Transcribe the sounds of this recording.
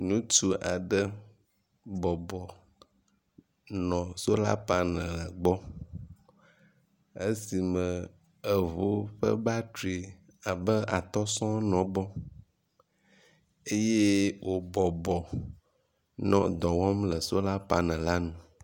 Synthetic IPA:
nũ˦t͡ʃu˦ʔa˨ɖə˦ | bɔ˨bɔ˨ | nɔ̃˨so˦la̰˦pa˦nə̃˨lə˨ɡ͡bɔ˦ | e˦si˨mə̃˨ | ə˨vo˦ɸə̰˦ba˦tu˨e˨ | a˨bə˦a˨t̪ɔ˦sɔ̃˦nɔ̃˨bɔ˦ | e˦je˦wʔo˨bɔ˨bɔ˨ | nɔ̰̃˨d̪ɔ˨wɔ˦mlə˨so˦la˦pa˦nə̃˨la˦nũ˦

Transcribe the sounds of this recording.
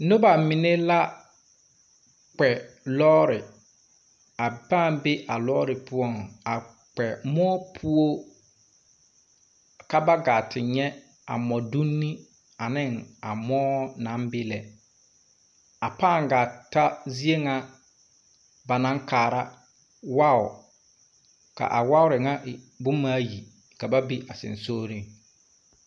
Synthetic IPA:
nʊ˦ba˨mɪ˨ne˦la˦ | k͡pɛ˨lɔː˦ɾɪ˨ | a˨paː˦˨mbe˦ʔa˨lɔː˦ɾɪ˨pʊ˦ɔ˦˨ŋa˨ | k͡pɛ˨mɔː˦pʰu˦o˦ | ka˦ba˦ɡa˨tʰɪ˨ɲɛ˦ | a̰˨mɔ˨du˦nːi˦ | a˨nɪ˦ŋa˨mɔː˦nã˦mbɪ˦lɛ˨ | a˨paː˦˨ŋ˨ɡa˨ta˦zi˦e˦ŋa˦ | ba˨nã˦ŋkʰaː˨ɾa˦ | wa˦ʊ˨ | ka̰˨ʔa˨wa˦ʊ˦ɾɪ˨ŋa˦ʔbʊ˦maː˦ji˨ | ka˨ba˦bi˦ʔa˨sɪ̰̃˨nsoː˦ɾi˦ŋ

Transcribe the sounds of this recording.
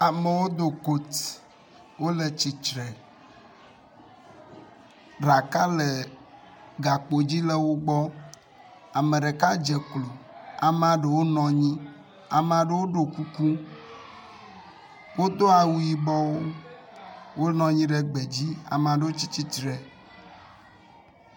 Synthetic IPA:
a˨me˨wo˦d̪o˨ko˦t̪ | wo˦le˨t͡ɕi˨t͡ʃɾɛ˨ | ɖa˨ka˦le˨ | ɡa˨k͡po˨d͡ʑi˦le˦wo˦ɡ͡bɔ˦ | a˨mẽ˨ɖe˨ka˦d͡ʒe˨klo˨a˨mɛ̃˨a˨ɖe˨wo˦nɔ̃˨ɲĩ˦ | a˨me˨a˨ɖe˨wo˦ɖo˨ku˦ku˦ | wʔo˦d̪o˦a˨wu˨ji˨bɔ˦wo˦ | wo˦nɔ̃˨ɲĩ˦ɖe˦ɡ͡be˨d͡ʑi˦a̰˨m˨a˨ɖe˨wo˦t͡ɕi˦t͡ɕi˦t͡ʃɾɛ˨

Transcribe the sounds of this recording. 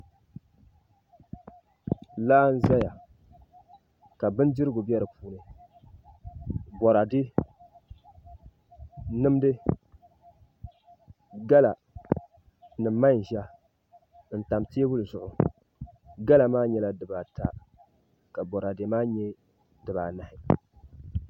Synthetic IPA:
laː˦n̩˦za˦ja˨ | ka˨bɨ˦n˦dɨ˦ɾɨ˦ɡʊ˨bi˦ɛ˦ɾɨ˨pʰuː˦nɨ˨ | bɔ˨ɾa˨dɨ˦ | nɨ˦mdɨ˦ | ɡa˦la˨ | nɨ˨m˦mːa˦n˨ʒa˦ | n̩˨ta˨mti˦e˦bʊ˦lɨ˨zʊ˨ʔʊ˨ | ɡa˦la˨maː˦ɲɛ˦la˨dɨ˨ba˨ta̰˨ | ka˨bɔ˨ɾa˨dɪ˨maː˦ɲɛ˦ | dɨ˨ba˨na˨hɪ˨

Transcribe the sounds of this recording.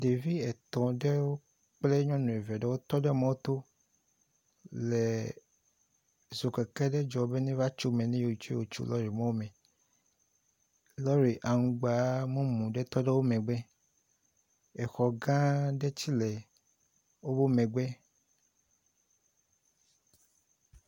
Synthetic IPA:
ɖe˨vi˦ɛ˨t̪ɔ̃˨ɖɛ˦wo˦ | k͡ple˦ɲɔ̃˦nũ˨e˨vɛ˨ɖɛ˦wo˦t̪ɔ˦ɖɛ˦mã˦wo˦t̪o˦ | le˨ | zo˨kɛ˨kɛ˦ɖɛ˦d͡ʒɔ˨˦be˦nẽ˦va˦t͡ʃo˦mɛ̃˨nẽ˦jo˨o˨t͡ʃwo˨t͡ʃṵ˦lɔ˦ɾi˨mã˦wo˦mɛ̃˨ | lɔ˦ɾi˨ʔa˨ŋũ˨˦ɡ͡ba˨˦mũ˦mũ˨ɖe˦t̪ɔ˦ɖe˦wo˦mẽ˨ɡ͡bɛ˦ | e˨xɔ˨ɡã˦ɖe˦t͡ɕi˦le˨ | wo˦bo˦mẽ˨ɡ͡be˦

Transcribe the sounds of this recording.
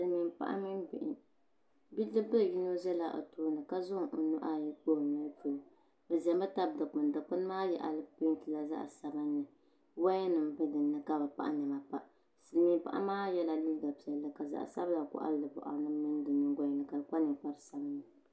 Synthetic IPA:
sɨ˨lmi˨mpa̰˦ʔa̰˦mi˦mbɪ̰˨ʔɪ˨ | bi˦lɨ˦bɨ˦˨ji˦no˦zɛ˦la˨ʔo̰˨toː˦nɨ˨ka˦zʊ˦ŋʔo˨nu˦ʔa˦˨ji˦k͡po˦˨nɨ˦fo˨ | bɛ˨zɛ˨mba˦ta˦bdɨ˨k͡pʊ˨n˨dɨ˨k͡pʊ˦n˦maː˦jɛ̰˨ʔa̰˨lɨ˦pi˦n˦tɨ˨la˦za̰˦ʔsa˨ba˦nːɨ˨ | wa˦jɛ˦nɨ˨m˦bɨ˦dɨ˨nːɨ˦ka˦ba˨pa̰˨ʔa̰˦ɲɛ˨ma˨pa˦ʔ | sɨ˨lmi˨mpa̰˦ʔa̰˦maː˦jɛ˦la˨li˦ɡa˨pi˨ɛ˨lːɨ˦ka˨za̰˨ʔsa˦bla˨kʊ̰˦ʔa̰˦llɨ˨bʊ̰˨ʔa̰˨nɨ˦mɨ˦n˦dɨ˨ɲɨ˨˦ɡʷa˦˨nɨ˨ka˨lɨ˨ka˦nɨ˨k͡pa˦ɾɨ˨sa˦ba˦nːɨ˨

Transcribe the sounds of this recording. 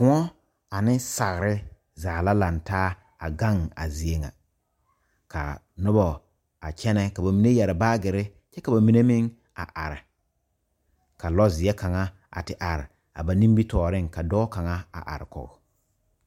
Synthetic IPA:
kʊ˨ŋɔ˦ | a˨nɪ˦sa˨ɣɾɪ˦ | zaː˨la˦la˨ntaː˦ | a̰˨ɡa˦ŋa̰˨zi˨e˦ŋa̰˨ | kʰa̰˨ | nʊ˦bɔ˨ | a˨t͡ʃɛ˦nɛ˦ka˨ba˨mi˨ne˦jɛ˨ɾɪ˨baː˦ɡɪ˨ɾɪ˦ | t͡ʃɛ˦ka˨ba˨mi˨ne˦mɪ˦ŋ | a̰˨ʔa˨ɾɪ˨ | ka˨lɔ˦zɪ˨ɛ˦ka˨ŋa˦ | a̰˨tɪ˨ʔa˨ɾɪ̰˨ | a̰˨ba˨nĩ˦mbi˦tɔː˨ɾɪ˦ŋka˨dɔː˦ka˨ŋa˦a̰˨ʔa̰˨ɾɪ̰˨kɔ̰˨ɣɔ˨

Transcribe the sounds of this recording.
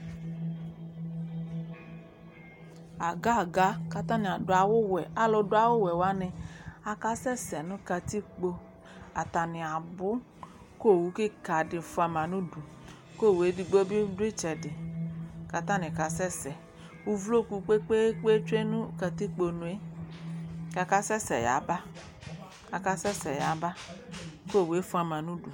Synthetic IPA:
a˨ɡa˦a˨ɡa˦ka˧ta˦nɪ˨a˨dʊ˨a˨wʊ˦wɛ˨a˦lɔ˧dʊ˦a˨˦wʊ˦wɛ˨wa˨˦nɪ˧a˧ka˧sɛ˦sɛ˨nʊ˦ka˧ti˦k͡po˧ | a˨ta˨nɪ˨a˨bʊ˦ | ko˦˨wu˨˦ki˦ka˨dɪ˧˨fʊ˦a˧ma˨nu˦du˨˦ | ko˦˨we˨˦di˧ɡ͡bo˦bi˦du˦e˦t͡ʃɛ˨dɪ˨ka˧ta˦nɪ̃˨ka˨sɛ˦sɛ˨ | u˧vlo˦˨ku˧k͡pe˦k͡pe˦k͡pe˦t͡ʃʷe˦nu˦ka˧ti˦k͡po˧nu˨e˦ | ka˧ka˧sɛ˦sɛ˨ja̰˨˦ba˦ | a˨ka˧sɛ˦sɛ˨ja˨˦ba˦ | ko˦˨we˨˦fu˦a˧˨mã˨nu˦du˨

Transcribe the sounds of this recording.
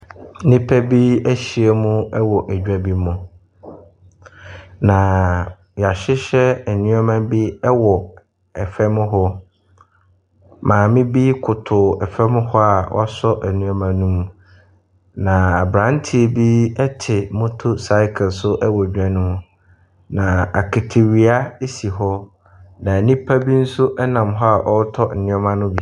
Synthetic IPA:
nɪ̃˦pʰæ˦bi˦æ˦ɕi˨e˦mʊ̃˦ɛ˦wɔ˨ʔd͡ʑᶣa˦bi˦mʊ̃˨ | nã˨ | ja˨ɕɪ˦ɕɛ˦ɛ˨nũ˦a˦mã˦bi˦ɛ˦wɔ˨ | ɛ˨fɛ˦mʊ̃˦ɦɔ˦ | mãː˨mɪ̃˦bi˦kʰʊ˨tʰʊ˨ɛ˨fɛ˦mʊ̃˦hɔ˦a˨wɔ̰˦a˦sɔ˦ʔæ˨nũ˦ɔ˦mã˨nũ˦m | nã˨a˨bɾã˦n˦tʰi˦˨bi˦ɛ˦tʰɪ˨mʊ̃˦tʰʊ˦sa˦ɪ˦kʰɛ˨lsʊ˦ʔɛ˦wɔ˨ɲᶣ˨˦ã˦nʊ̃˦m̃˨ | nã˨a̰˨kʰɪ˨tʰɪ˨ɥi˨a˦e˦si˨ɦɔ˦ | nã˨nĩ˦pʰa˦bi˦n̩˦sʊ˦ʔɛ˦nã˨mɦɔ˦a˨ʔɔ˦tʰɔ˦n̩˨nɪ̃˦ɔ˦mã˦nʊ̃˦bi˦

